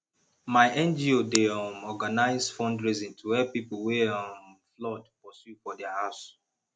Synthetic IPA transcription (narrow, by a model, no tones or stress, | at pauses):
maɪʔɛ̃nd͡ʒiodeɔmɔɡanaɪzfɔ̃ndɹizĩntʰuɛpipolwɛɔ̃mflɔdpɔsjufɔdɛahaʊs